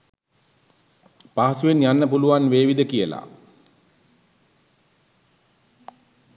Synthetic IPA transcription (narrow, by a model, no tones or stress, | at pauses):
paɦasuʋenjanːəpuluʋanʋeːʋid̪əkijəla̰